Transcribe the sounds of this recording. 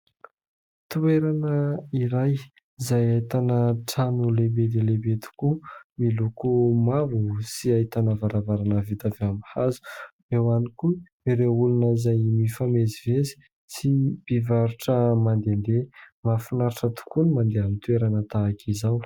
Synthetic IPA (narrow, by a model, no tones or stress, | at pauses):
t̪ueɾanəiɾaj | izajait̪anəʈ͡ʂanulebed̪elebet̪ʰu̥kumilukumavusiaɦit̪anavaɾavaɾanəvit̪avamhazu̥ | ewaniku | iɾewulunəizajmifamezivezi̥ | sib̥ivaɾuʈ͡ʂəmand̪end̪emafinaɾiʈ͡ʂət̪u̥kunimand̪eamint̪ueɾanət̪aːkʰizaw